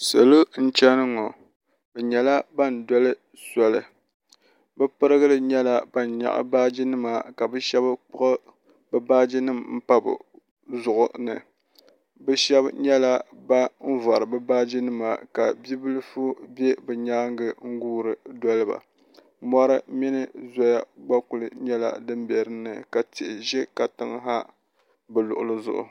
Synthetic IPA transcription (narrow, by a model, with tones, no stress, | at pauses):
sa˨lo˦n̩˦t͡ʃɛ˦nɨ˦ŋɔ˨ | bɛ˨ɲɛ˨la˦ba˦˨n˨dɔ˦lɨ˦ | sɔ˨lɨ˨ | bɛ˦pɨ˦ɾɨ˦ɡɨ˦ɾɨ˦ɲɛ˦la˦ba˦˨nɲa̰˦˨ʔa̰˦baː˦d͡ʒi˦nɨ˦ma˨ka˨bɛ˦ʃɛ˦bɨ˦k͡pʊ˦ʔɨ˦ | bɨ˦baː˦d͡ʒi˦nɨ˦˨mm̩˦pa˦bɨ̰˨ | zʊ˨ʔʊ˨nɨ˨ | bɛ˦ʃɛ˦bɲɛ˦la˦ba˦m̩˦va˨ɾɨ˨bɨ˦baː˦d͡ʒi˦nɨ˦ma̰˨ka˨bi˦bɨ˦lɨ˦fu˦be˦bɨ˨ɲaː˦ŋ˦ɡɨ˦ŋ̩˦ɡuː˦ɾɨ˨dɔ˦lɨ˦ba̰˨ | mɔ˦ɾɨ˦mi˦nɨ˦zɔ˦ja˦ɡ͡ba˦ku˨lɨ˨ɲɛ˦la̰˨dɨ˦mbɛ˨ɾɨ˦nɨ˨ka˨ti˨ʔɪ˨ʒɛ˦ka˨tɨ˦ŋ˦ɦa˦ | bɨ˨lʊ˨ʔʊ̰˨lɨ˦zʊ̰˨ʔʊ̰˨